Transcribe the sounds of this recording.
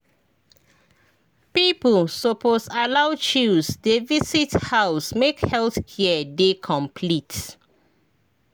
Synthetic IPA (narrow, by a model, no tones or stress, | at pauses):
pipəlsoposalawt͡ʃusdevisithaʊsmekhɛlθkiədekʰɔ̃mpʰlit